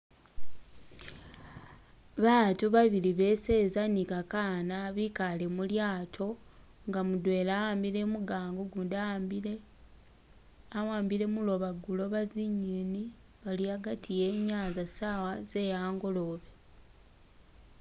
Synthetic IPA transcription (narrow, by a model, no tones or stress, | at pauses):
βaːtuβaβiliβe̞se̞zanikakaːnaβikale̞muljaːtʰo̞ | ŋɡamudwe̞ːlawaːmbile̞muɡaːŋɡoɡunda | awaːmbile̞mulo̞βaɡulo̞βaziɲini | βaliaɡatʰije̞ːɲaːzasawaze̞jaːŋɡo̞lo̞βe